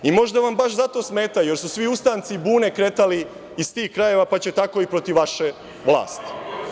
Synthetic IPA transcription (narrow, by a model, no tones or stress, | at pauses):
imo̞ʒd̪aʋambaʃzat̪o̞ːsme̞ːt̪aje̞ɾsusʋiust̪aːnt̪sibuːne̞kɾe̞t̪aliː | st̪iːxkɾaje̞ʋapat͡ɕet̪ako̞ipɾo̞t̪iʋʋaʃe̞ | ʋlˠa̰ːst̪i̥